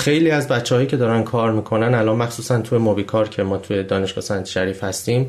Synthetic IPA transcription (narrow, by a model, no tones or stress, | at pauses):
xe̞jliːæzbætt͡ʃʰːehɒːjiːcʰe̞d̪ɒːɾænkʰɒːɾmiːkʰo̞nænælɒːnmæxsuːsænt̪ʰujemobiːkʰɒːɾcʰe̞mɒːt̪ʰuje̞d̪ɒːne̞ʃɡ̥ɒ̰sænt̪ʰʃæɾiːfhæst̪iːm